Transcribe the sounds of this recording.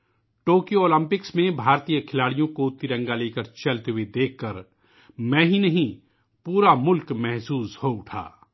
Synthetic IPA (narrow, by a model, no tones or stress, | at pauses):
ʈoːkijooːlə̃mpɪksmẽbʱaːɾt̪ijəkʰɪlaːɽijõkot̪ɪɾə̃ŋɡaleːkəɾt͡ʃɐlt̪eɦuwed̪eːkʰːəɾ | mɛ̃ːɦinɐɦĩ | puːɾamʊlkmɛɦsuːshoʊʈʰa̰ː